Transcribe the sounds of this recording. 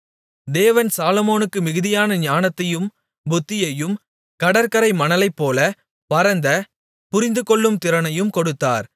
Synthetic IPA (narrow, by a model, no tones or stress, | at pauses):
d̪eːʋɐnsaːlɔmoːnɯkːɯmɪɣɯðɪjaːnɐɲaːnɐt̪ːɐjɯm | bʊt̪ːɪjɐjɯm | kɐɽɐɾkɐɾɐɪmɐnɐlɐɪpːoːlɐ | pɐɾɐnd̪ɐ | pʊɾɪnd̪ɯkɔɭːɯmt̪ɪɾɐnɐjɯmkɔɽɯt̪ːa̰ːɾ